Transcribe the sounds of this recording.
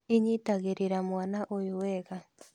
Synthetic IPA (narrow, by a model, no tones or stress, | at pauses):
iɲit̪aɣeɾiɾamuanaʔojoweɡa